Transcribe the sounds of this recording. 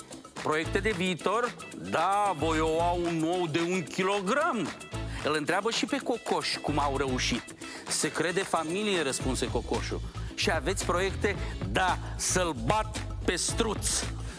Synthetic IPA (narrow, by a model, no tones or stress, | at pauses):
pɾo̞je̞k̚t̪e̞d̪e̞viːt̪o̞r | d̪avo̞jowaunːo̞wd̪e̞uŋkʲilo̞ɡɾam | ɨlɨnt̪ɾeabəʃipe̞ko̞ko̞ʃʲkumawre̞uʃit̪ | se̞kɾe̞d̪e̞familijeɾəspunse̞ko̞ko̞ʃṵʃiave̞t̪sʲpɾo̞je̞kt̪e̞d̪asəlbat̪pe̞st̪ɾut̪s